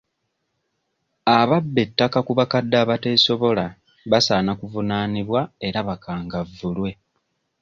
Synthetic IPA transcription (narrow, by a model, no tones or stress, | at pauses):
aβabːe̞tːakakuβakadːaːβate̞ːso̞βo̞la | βasaːnakuvunaːniβwae̞ɾaβakaːŋɡavːulwe̞